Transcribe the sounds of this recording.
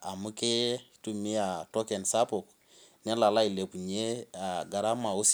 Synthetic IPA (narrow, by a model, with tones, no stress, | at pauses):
a˨mu˦kɪ˦tu˨mi˦a˨tɔ˦kɛ˨nsa˦po˨k | nɛ˦la˨la˦i˨le˨pu˨ɲe˦a˨ɡa˨ɾa˦ma˨o˦s